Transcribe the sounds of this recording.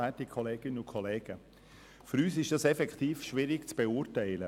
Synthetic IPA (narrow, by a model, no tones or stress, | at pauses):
ætikʰɔleːɡ̥ɪnənʊkʰɔleːɡ̥ə | fʏɾyːsɪʃd̥ɑsɛfɛktiːfʃʋɪɾɪɡt͡sb̥ɛʊːɾtɛɪlə